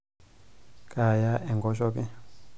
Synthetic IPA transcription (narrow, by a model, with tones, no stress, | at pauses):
kʼa˨ja˦ʔɛ˨ŋɡɔ˦ʃɔ˦pi˦